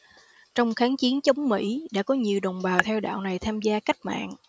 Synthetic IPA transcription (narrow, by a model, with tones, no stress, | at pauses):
t͡ɕɔ˧wŋ͡mxaː˨˦nt͡ɕi˨˦ənt͡ɕə˨˦wŋ͡mmḭ˧˥ɗa̰ː˧˥kɔ˨˦ɲi˨˩əwɗə˨˩wŋ͡mɓaː˨˩t̪ʰɛ˧wɗa̰ː˧˨wna˨˩jt̪ʰaː˧mzaː˧ka˦˥jk̚ma̰ː˧˨n